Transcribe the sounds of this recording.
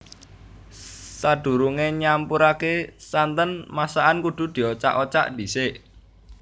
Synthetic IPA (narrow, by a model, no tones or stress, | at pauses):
saɖ̥ṳɾuŋeɲampuɾakesant̪ənmasaʔankuɖ̪̥ṳd̪̥i̤ot͡ʃa̰ʔot͡ʃa̰ʔd̥i̤seʔ